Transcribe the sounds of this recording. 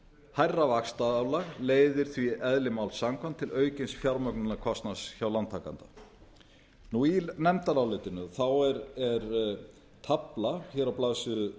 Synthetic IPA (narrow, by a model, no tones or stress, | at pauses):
hajrːavakst̪awlaɣleːjðɪɾ̥θviɛðlɪmawlsaŋkʰant̪ʰːɪlœːɥcɪnsfjaɾmœknʏnakʰɔst̪nasçawlant̪ʰːaka̰nt̪a | nuinɛmt̪alawleːt̪ɪnʏθawɛɾɛɾ | t̪ʰaplaçɛːɾawplaðsʏ